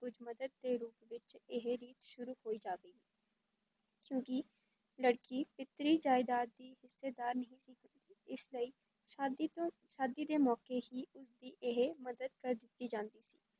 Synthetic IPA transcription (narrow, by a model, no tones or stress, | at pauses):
kʊd͡ʒməd̪əd̪̚d̪eːɾuːpʋɪt͡ʃɪɦeɾiːt̪ʃʊɾuːhoːiːd͡ʒaːɡəiː | kjõːkɪ | ləɽkiːpɪt̪ɾiːd͡ʒaːɪd̪aːɾd̪iːhɪsːeːd̪aːɾnəɦĩːsiːkʰənd̪iːɪsləiː | oː | ʃaːd̪iːd̪eːmɔːkeːɦiːʊsd̪iːʔɪɦeməd̪əd̪kəɾd̪ɪt̪ːiːd͡ʒãːnd̪iːsḭː